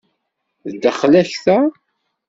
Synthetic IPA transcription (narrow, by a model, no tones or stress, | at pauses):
ðd̪əχlæçθæ